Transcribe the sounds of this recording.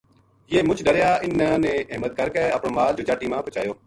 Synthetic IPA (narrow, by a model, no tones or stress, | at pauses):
jeːmʊt͡ʃʰɖəɽjaːɪnaːnẽːʔɪɦmət̪̚kəɾkɛəpɳoːmaːld͡ʒoːt͡ʃaːʈiːmãːpʊt͡ʃa̰ːjoː